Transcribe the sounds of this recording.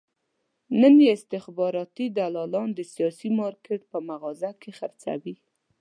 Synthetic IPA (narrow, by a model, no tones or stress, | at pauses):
nənjeɪst̪ɪxbɑɾɑt̪id̪alɑlɑnd̪əsijɑsimɑɾkeʈ̚pəmaɣɑzakexaɾt͡sa̰wi